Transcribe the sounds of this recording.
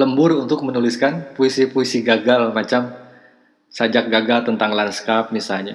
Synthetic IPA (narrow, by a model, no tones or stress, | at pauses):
ləmbʊrunt̪ʊk̚mənuliskanpuisipuisiɡaɡalmat͡ʃam | sad͡ʒak̚ɡaɡalt̪ənt̪aŋlanskap̚misalɲa